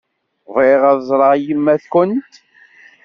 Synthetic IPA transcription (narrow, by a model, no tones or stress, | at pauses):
vɾeʁæðzˤɾˤɑjimːæθkʷʊnt̪